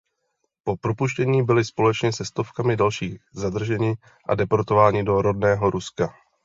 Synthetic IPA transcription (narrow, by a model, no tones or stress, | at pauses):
po̞pɾo̞puʃcɛɲiːbɪlɪspo̞lɛt͡ʃɲɛsɛst̪o̞fkamɪdalʃiːɣzad̪r̩ʒɛɲɪ | ʔa̰dɛpoɾt̪o̞vaːɲɪdo̞ɾo̞dnɛːɦo̞ɾʔuska